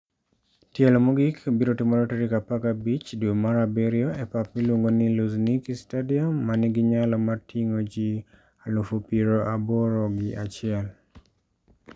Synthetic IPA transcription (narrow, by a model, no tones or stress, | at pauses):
tjɛlɔmɔɡikbiɾotɪmɔɾɔtɛɾikapakabit͡ʃdumaɾabɛɾjoepapmilwoŋɡoniluznikistadiɔmːanɪɡɪɲalɔmartʰiŋod͡ʒi | alufupiɾoʔabɔɾɔɡɪʔat͡ʃɪɛl